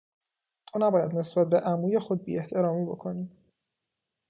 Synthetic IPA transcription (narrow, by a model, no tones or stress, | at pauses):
t̪ʰonæbɒːjæd̪ne̞sbæt̪̚be̞ʔæmuːje̞xod̪̚bḭːeht̪ʰe̞ɾɒːmiːbo̞kʰo̞niː